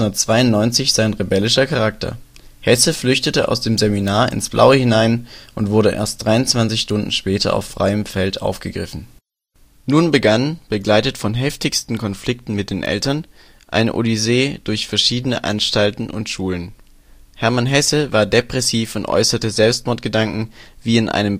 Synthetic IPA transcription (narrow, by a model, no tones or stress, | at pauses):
ʊndɐtt͡sv̥aɪʊnnɔʏnt͡sɪçz̥aɪnʁebɛlɪʃɐkʰaʁaktʰɐ̰ | hɛsəflʏçtətəʔa̰ʊsd̥eːmzeminaːɐɪ̰nsb̥lʔa̰ʊəhɪnaɪnʔʊntv̥ʊɐɾəʔḛːɐst̚d̥ʁaɪʊntt͡sv̥ant͡sɪçʃtʊndn̩ʃpɛːtʰɐ̰a̰ʊfːʁ̥a̰ɪəmfɛltʔa̰ʊfɡ̥əɡʁɪfn̩ | nuːnbəɡanb̥əɡlaɪtətfɔnɦɛftɪçstn̩kʰɔnflɪk̚tn̩mɪt̚d̥eːnʔɛ̰ltɐn | ʔa̰ɪn̰ʔo̰lizeːd̥ʊɐçfɛɐʃiːdənəʔa̰nʃtaltn̩ʔʊ̰ntʃuːlən | hɛɐmanɦɛsəvaːɐdepʁ̥ɛsiːfʊntʔɔ̰ʏsɐtəzɛlpst̚mɔɐt̚ɡ̥ədaŋkŋ̩viːɪnʔa̰ɪnəm